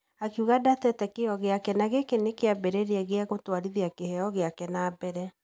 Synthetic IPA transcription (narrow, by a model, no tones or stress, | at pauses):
akeuɣadatɛtɛkeɔɣeakɛnaɣekenekeabɛɾɛɾeɛɣeaɣotwaɾiðiakehɛɔɣeakɛnaːbɛɾɛ